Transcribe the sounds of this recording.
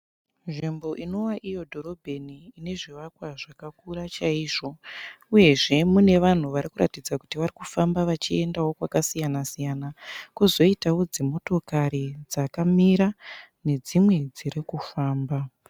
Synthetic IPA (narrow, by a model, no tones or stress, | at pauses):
nʐimbo̞ʔino̞waʔijo̞dʱo̞ɾo̞bʱeniːne̞ʐiʋakwaʐakakuɾat͡ʃaiːʐo̞ | uje̞ʐe̞mune̞ʋan̤uʋaɾikuɾʔatid͡zaku̥tiʋarikufambaʋat͡ʃie̞ndawo̞kwakasijanasijanakuzo̞itawo̞d͡zemo̞to̞kaɾid͡zakamiɾa | ne̞d͡zimwe̞d͡ziɾikufaːmba